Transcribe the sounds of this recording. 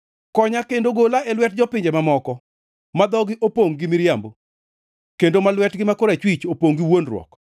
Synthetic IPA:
kɔɲakendoɡolaʔelwɛt̚d͡ʒɔpɪɲd͡ʒemamɔkɔ | mad̪ɔɡɪʔopoŋɡɪmɪɾjambo | kendomalwɛtɡɪmakoɾat͡ʃwit͡ʃopoŋɡɪwonrwɔ̰k

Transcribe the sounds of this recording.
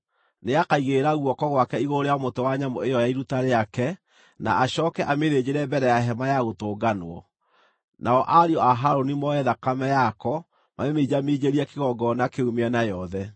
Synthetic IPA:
neakaiɣeɾaɣuɔkɔɣwakɛiɣoɾeamotowaɲamɔejɔjaiɾutaɾeakɛ | na̰aɕɔːkɛʔameðed͡ʑeɾɛbɛɾɛjaɦɛmajaɣotoːɡanwɔ̰ | nʔaɔʔaɾeɔaɦaɾonimɔɛðakamɛjakɔ | maɾemeid͡ʑamiːd͡ʑeɾiɛkeɣɔɡɔnakeumeanajɔðɛ

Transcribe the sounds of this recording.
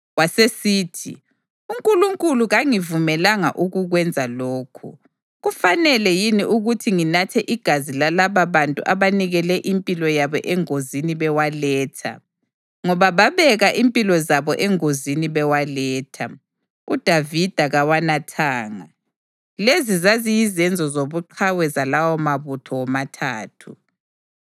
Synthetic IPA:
wasesiːtʰḭ | uŋkʼuluŋkʼuluɣaŋivumɛlaŋa̰ʔuɣuɣwɛnd͡zʱaloːkʰṵ | ɣufanɛlɛjiniʔuɣutʰiŋinatʰɛʔiɡ̥ʱazilalaβaβantʼṵʔaβaniɣɛlɛʔimpʼilɔjaβɔʔɛŋoziniβɛwalɛːtʰa̰ | ŋɔβaβaβɛɣaʔimpʼilɔzaβɔʔɛŋoziniβɛwalɛːtʰa̰ | ud̥ʱavid̥ʱaɣawanatʰaːŋa | lezizazijizɛnd͡zʱɔzoβuǃʰawɛzalawɔmaβutʰɔwɔmatʰaːtʰu

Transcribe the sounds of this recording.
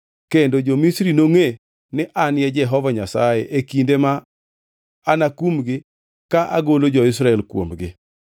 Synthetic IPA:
kendod͡ʒomisɾinoŋe | nɪʔanjɛd͡ʒɛɦɔvaɲasa̰jeʔekindema | nakumɡɪ | kaʔa̰ɡolod͡ʒɔɪs̬ɾaɛlkwo̰mɡɪ̰

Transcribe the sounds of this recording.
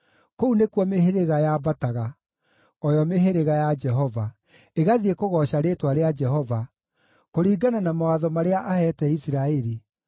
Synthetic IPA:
kounekwɔmeheɾeɣajabataɣa | ɔjɔmeɦeɾeɣajad͡ʒɛɦɔva | eɣaðiekoɣɔɕaɾeːtwaɾead͡ʒɛɦɔva | koɾiːɡananamawaðɔmaɾeaʔahɛtɛisiɾaɛɾi

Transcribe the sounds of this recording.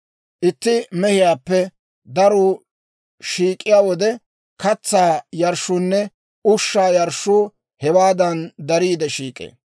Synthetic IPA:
ʔɪt̪ːɪmɛhɪjaːpːɛ | d̪ɐɾuː | ʃiːkʼːɪjaːwɔd̪ɛ | kɐt͡sːaːjɐɾʃʊnːɛ | ʊʃːaːjɐɾʃu | hɛwaːd̪ɐnd̪ɐɾiːd̪ɛʃiːkʼḛː

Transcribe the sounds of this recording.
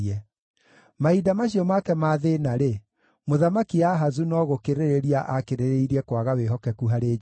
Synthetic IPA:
ɛ | maidamaɕ̬iɔmakɛmaðenaɾe | moðamakiaɦazunɔɣokeɾeɾeɾiaʔakeɾeɾeiɾiɛkwaɣaweɦɔkɛkuɦaɾeː

